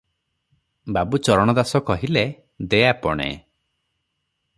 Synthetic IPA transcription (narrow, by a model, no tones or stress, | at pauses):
babut͡ʃɔɾɔɽ̃ɔd̪asɔkɔɦile | d̪ejapɔ̰ɽ̃ḛ